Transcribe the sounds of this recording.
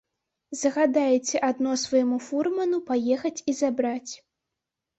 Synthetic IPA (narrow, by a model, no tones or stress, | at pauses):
zɐɣad̪ajɛt͡sʲɛʔad̪nɔsvajɛmufurmɐnupajɛxɐt͡sʲizabɾat͡sʲ